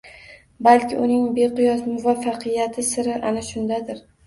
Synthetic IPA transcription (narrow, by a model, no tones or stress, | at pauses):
balkʲʰɪʔʊnɪŋbeqʊjɒsmʊvafːaqʰɨjat̪ʰɪsɪɾɪʔanaʃʊnd̪ad̪ɪɾ